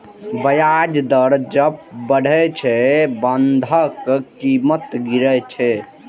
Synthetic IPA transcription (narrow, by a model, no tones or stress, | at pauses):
bəjad͡ʒd̪əɾd͡ʒəbbəɽ̤ʱɛt͡ʃʰɛbənd̪ʱəkkimət̪ɡiɾət͡ʃʰɛ